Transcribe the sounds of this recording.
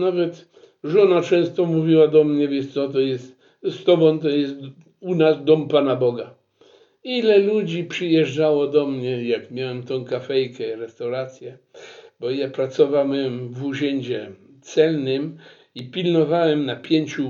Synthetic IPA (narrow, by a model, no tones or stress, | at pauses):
navɛt̪ | ʐɔnat͡ʂɛ̃w̃st̪ɔmuvʲiwad̪ɔmɲɛvʲjɛt̪sɔt̪ɔjɛst̪ | st̪ɔbɔ̃t̪ɔjɛst̪ | unasd̪ɔmpanabɔɡa | ilɛlud͡ʑipʂɨjɛʐd͡ʐawɔd̪ɔmɲɛjakmʲjawɛmt̪ɔ̃w̃kafɛjkɛiɾɛst̪awɾat̪sʲjɛbɔjapɾat̪sɔvawɛmvuʑɛɲd͡ʑɛ | t̪sɛlnɪm | ipʲilnɔvawɛmnapʲjeɲt͡ɕu